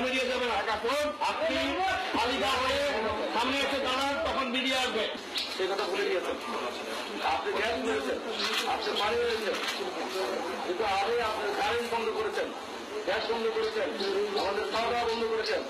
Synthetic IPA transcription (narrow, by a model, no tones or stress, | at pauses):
miɾijed͡ʑabenakonapnipalikaɦoeʃamneat͡ɕʰed̪aɽaɾt̪ɔkʰonmiɖijaaʃbe | ʃejkɔt̪ʰabʱuled̪ijet͡ɕʰen | apniɡɛʃbeɾet͡ɕʰena̰pneɾmaɾeelet͡ɕʰen | kint̪uaɾejapneɾkaɾenʈbɔnd̪ʱokoɾet͡ɕʰen | ɡɛʃbɔnd̪ʱokoɾet͡ɕʰenamad̪eɾʃɔd̪ɔabɔnd̪ʱokoɾet͡ɕʰen